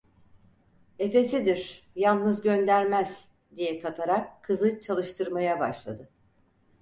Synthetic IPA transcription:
e̞fe̞sid̪iɾ | jalˠnɯzɟønd̪æɾmæz̥ | d̪ijɛkʰat̪ʰaɾakʰːɯzɯt͡ʃʰalˠɯʃt̪ʰɯɾmajabaʃlˠa̰d̪ɯ

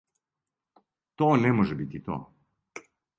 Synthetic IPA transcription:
t̪oːnɛmoʒɛbit̪it̪o̰

